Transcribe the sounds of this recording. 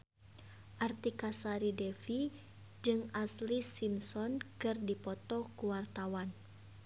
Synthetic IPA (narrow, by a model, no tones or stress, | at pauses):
ʔart̪ikasaɾidɛfi | d͡ʒɨŋaslisimsɔnkɨrdipɔt̪ɔkuwart̪awan